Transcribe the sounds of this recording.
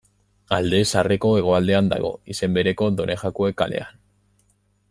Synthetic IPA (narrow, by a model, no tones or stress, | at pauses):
ald̪e̞sare̞ko̞e̞ɣ̞o̞ald̪e̞and̪a̰ɣ̞o̞̰ise̞mbe̞ɾe̞ko̞d̪o̞ne̞xakoekale̞̰an